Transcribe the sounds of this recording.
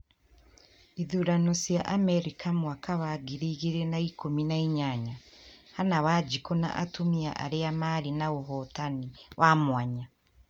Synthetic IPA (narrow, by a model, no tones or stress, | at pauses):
iðuɾanosijaʔameɾikʰamwakʰaβaɡiɾiɣiɾenaikominaiɲaɲahanawad͡ʒikona̰ʔatumia̰ʔa̰ɾeamaɾinaoɦɔtaniwʔamwaɲa